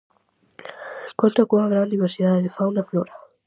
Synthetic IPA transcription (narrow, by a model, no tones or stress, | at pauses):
kolt̪akuaɣɾand̪iβeɾsiðaðeðefawnafloɾa